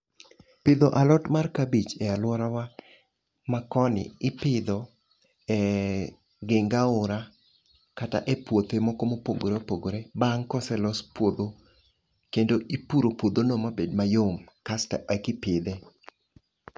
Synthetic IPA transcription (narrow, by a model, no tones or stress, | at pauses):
pɪd̪oʔalɔtmarkabit͡ʃɛalwɔɾawa | makɔnɪ̰ɪpɪd̪ɔ | ɛ | ɡɪŋɡaʊɾa | kata̰ʔɛpwot̪emɔkomopoɡoɾeopoɡoɾebaŋkɔsɛlɔspwod̪o | kendoʔipuɾopwod̪onomabedmajomkasta̰ʔɛkɪpɪd̪ɛ